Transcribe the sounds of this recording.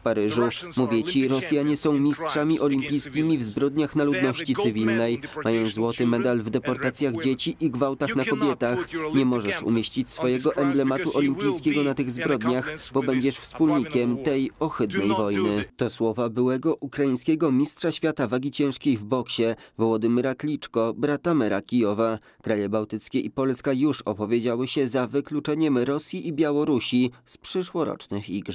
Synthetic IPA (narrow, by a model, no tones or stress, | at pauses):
fpaɾɘʐumuvʲjɛt͡ɕiɾɔsʲjaɲɛsɔ̃w̃mʲistʂamʲiʔɔlʲimpʲijskʲimʲivzbɾɔd̪ɲaxnalud̪nɔɕt͡ɕit̪sɘvʲilnɛjmajɔ̃w̃zwɔt̪ɘmɛd̪alvd̪ɛpɔɾt̪at̪sʲjaɣd͡ʑet͡ɕiʔiɡvawt̪axnakɔbʲjɛt̪axɲɛmɔʐɛʂṵmʲjeɕt͡ɕit͡ɕsfɔjɛɡɔʔɛmblɛmat̪uʔɔlʲimpʲijskʲɛɡɔnat̪ɘɣzbɾɔd̪ɲaxbɔbɛɲd͡ʑɛʂfspulɲikʲɛmt̪ɛjɔxɘd̪nɛjvɔjnɘt̪ɔswɔvabɘwɛɡɔʔukɾaĩɲ̃skʲɛɡɔmʲistʂaɕfʲjat̪avaɡʲit͡ɕɛ̃w̃ʂkʲejvbɔkɕɛvɔwɔd̪ɘmɛɾaklʲit͡ʂkɔbɾat̪amɛɾakʲijɔva | kɾajɛbawt̪ɘt̪skʲɛʔipɔlskajuʂɔ̰pɔvʲjed͡ʑawɘɕɛzavɘklut͡ʂɛɲɛmɾɔsʲjiʔibʲjawɔɾuɕispʂɘʂwɔɾɔ̰t͡ʂnɘxiɡ